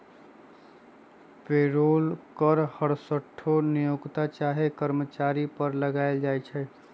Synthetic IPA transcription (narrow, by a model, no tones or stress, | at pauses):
peɾolkəɾhəɽsəʈʰːonijokt̪at͡ʃaɦekəɾmət͡ʃaɾipəɾləɡaɪld͡ʒajt͡ʃʰɛ